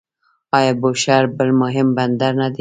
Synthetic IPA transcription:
ɑjɑboʃaɾbəlmʊɦɪmband̪aɾnad̪i

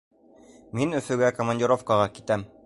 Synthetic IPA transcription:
minɵ̆fɵ̆ɡækomɐnʲdʲiɪɾo̞fkɑʁɑkit̪æm

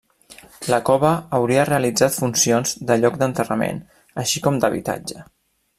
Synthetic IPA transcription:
ləkɔβəːwɾiəreəlid͡zat̪funsionzd̪əʎɔkd̪ənt̪ərəmḛn | əʃikɔmd̪əβ̞ḭt̪a̰d͡ʒə

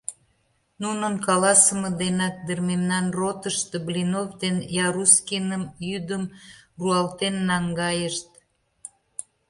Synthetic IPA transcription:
nunənkɑlɑsəməd̪enɑk̚d̪ərmemnɑnrot̪əʃt̪eblinovd̪enjɑɾuskinəmjyd̪əmruɑlt̪enːɑŋɡɑjəʃt̪̚

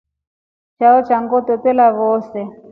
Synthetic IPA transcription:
t͡ʃaɔt͡ʃʰaŋɡɔtɔtɛlaβɔːsɛ

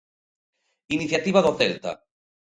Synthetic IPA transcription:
iniθjat̪iβaðoθelt̪a̰

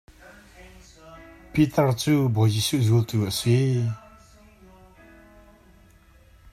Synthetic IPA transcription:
pit̪art͡suboʑiɕʰuʑult̪usʰe

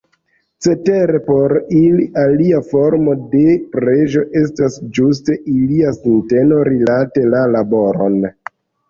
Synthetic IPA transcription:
t͡se̞teɾe̞po̞ɾiliʔaliafo̞ɾmo̞de̞pɾe̞ʒo̞ʔe̞s̬tasd͡ʒus̬te̞ʔiliasinte̞no̞ɾilate̞lalabo̞ɾo̞̰n

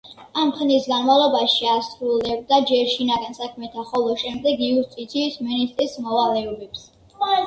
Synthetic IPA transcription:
amχnisɡanmavlˠɔbaʃiasɾulɛb̚d̪ad͡ʒɛɾʃinaɡansakʰmɛt̪ʰaχɔlˠɔʃɛmd̪ɛɡiust̪ʼit̪sʰiːsminist̪ʼɾismɔvalɛɔbɛps

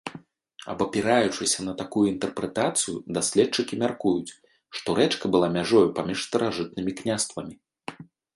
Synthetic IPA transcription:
ɐ̰bɐpʲiɾajut͡ʂɨsʲɐnɐt̪akujuint̪ɛrpɾɛt̪at̪sɨjud̪asʲlʲɛtt͡ʂːɨkʲimʲarkujut͡sʲ | ʂt̪ɔɾɛt͡ʂkɐbɨlˠamʲaʐɔjupamʲiʂst̪ɐɾaʐɨt̪̚nɨmʲiknʲast̪vɐmʲi

